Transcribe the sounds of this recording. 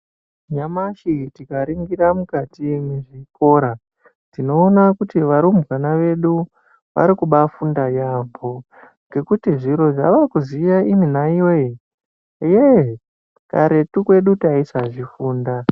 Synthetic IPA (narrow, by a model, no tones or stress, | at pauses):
ɲamaʃitikaɾiŋɡiɾamukatimeʐiko̞ːɾa | tino̞ːnakutiʋaɾumbɣanaʋe̞ɗu | ʋa̰ɾikuɓafundajambo̞ | ŋɡe̞kutiʐiɾo̞ʐa̰ʋakuzijaʔiminaioe | je | kaɾe̞tukwe̞ɗutaisaʐifuːnda